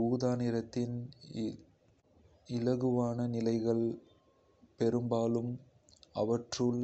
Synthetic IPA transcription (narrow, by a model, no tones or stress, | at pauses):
uːðaːnɪɾɐt̪ːɪn | ɪlɐɣɯʋaːnɐnɪlɐɪɣɐɭ | pɛɾɯmbaːlɯm | ɐʋɐʈrɯl